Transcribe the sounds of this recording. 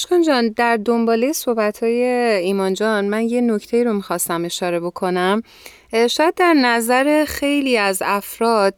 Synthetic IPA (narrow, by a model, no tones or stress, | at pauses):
ʃkɒnd͡ʒɒːnd̪æɾd̪o̞mbɒːlejesohbæt̪ʰhɒːje̞iːmɒːnd͡ʒɒːnmænje̞no̞cʰt̪ʰe̞iːɾo̞mixɒst̪æme̞ʃɒːɾe̞bo̞kʰo̞næm | ʃɒːjæd̪̚ːæɾnæzæɾe̞xe̞jliːæzæfɾɒːd̪̥